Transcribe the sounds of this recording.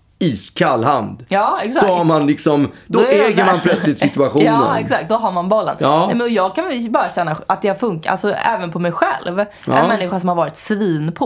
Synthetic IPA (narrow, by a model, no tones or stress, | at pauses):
iːskʰalːha̰nd̪jɑːɛksasɔhaɾmanlɪksɔmd̪ɔɛːɡəɾmanpʰlœt̪slɪt̪sɪt̪ɵaɧuːnːənɛksakt̪̚d̪ɔɦaɾmanbɔlːə̰nːɛmɛnɔjɑːɡ̚kʰanvɛbɑːɾaɕɛnːaʔat̪̚d̪ɛhaɾfɵŋkaʔa̰lsɔɛ̰ːvənpʰɔmɛjɧɛ̰lv | ʔɛ̰nmɛnːɪɧaʂ̬ɔmhaɾvɑːɾɪt̪sviːnpʰɔ